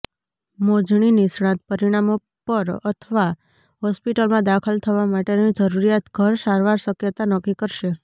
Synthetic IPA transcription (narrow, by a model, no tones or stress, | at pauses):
mod͡ʒɳ̃inisɽ̃ãnt̪̚pəɾiɽ̃amo | pəɾə̰t̪ʰəʋa | ɦɔspiʈəlmãd̪akʰəlt̪ʰəʋamaʈenid͡ʒəɾuɾijat̪ɡʱəɾsaɾʋaɾʃəkjət̪anəkikəɾʃe